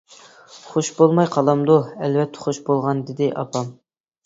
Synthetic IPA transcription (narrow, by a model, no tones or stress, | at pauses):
χoʃbolˠmɑjqʰɑlˠɑmd̪uɛlvɛt̪ʰːɛ̥χoʃbolˠʁɑnd̪ɪd̪ɪʔɑ̰pɑm